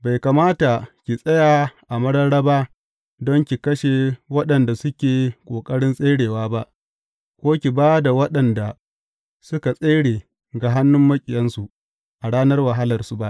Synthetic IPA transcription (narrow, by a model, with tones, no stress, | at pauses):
ba˨jka˨maː˦ta˨kʲi˨sʼɐ˦jaː˨ʔa˨mɐ˦ɽɐ˦ɽɐ˦baː˦ | dɔ˦ŋkʲi˨kɐ˦ʃe˨wɐ˦ɗɐ˨nda˨sʊ˦kʲeː˨kʷʼoː˨kʼɐ˦ɽɪ˦nsʼe˦ɽeː˨waː˦ba˦ʔ | kʷoː˦kʲi˨baː˦da˨wɐ˦ɗɐ˨nda˨ | sʊ˦ka˨sʼe˦ɽeː˨ | ɡa˨ɦa˦nːʊ˦mːɐ˦kʲʼɪ˨jɐ˦nsu˨ʔ | ʔa˨ɽaː˦nɐ˦rwa˨ɦa˦lɐ˨rsu˦ba˦ʔ